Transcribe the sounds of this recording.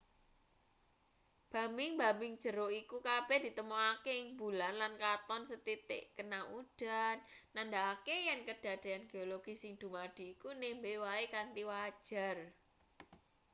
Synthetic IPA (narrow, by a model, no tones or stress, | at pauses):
b̥ä̤mbɪŋba̤mɪŋd̥ʒ̥ə̤ɾoikukab̥ɛd̪̥i̤t̪əmuakeɪŋbulanlankat̪ɔnsət̪it̪ɪ̰ʔkənauɖ̥a̤nːand̪aːkejɛnkəd̥a̤d̪̥e̤anɡ̥eoloɡ̥isɪŋd̪̥ṳmad̪̥i̤ːkunembewaekant̪iwad̥ʒ̥a̤r